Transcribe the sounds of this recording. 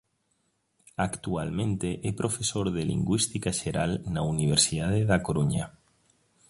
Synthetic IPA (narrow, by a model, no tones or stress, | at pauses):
akt̪ualmẽnt̪eʔɛpɾʔofesoɾðelḭŋɡwist̪ikaʃeɾalnauniβ̞eɾsiðað̞eðakoɾuɲa